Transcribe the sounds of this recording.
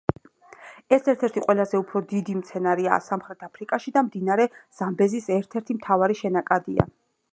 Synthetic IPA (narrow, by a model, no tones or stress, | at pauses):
ɛsɛɾt̪ʰɛɾt̪ʰiqʼwɛlˠazɛupʰɾɔd̪id̪imt̪sʰɛnaɾia̰ːsamχɾɛt̪ʰapʰɾikʼaʃid̪amd̪inaɾɛz̥ambɛzisɛɾt̪ʰɛɾt̪ʰimt̪ʰavaɾiʃɛnakʼad̪ia̰